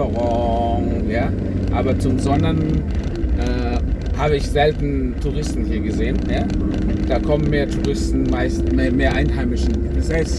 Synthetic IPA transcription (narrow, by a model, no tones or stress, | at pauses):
əʁɔ | jaː | ʔaːbɐt͡sʊmzɔnɐn | ʔɛː | haːbəɪçz̥ɛltn̩tʰuʁɪstn̩hiːɐɡəzeːənjaː | d̥aːkʰɔmənmeːɐtʰuʁɪstn̩maɪstmeɐmeːɐʔaɪnɦaɪmɪʃn̩zɛ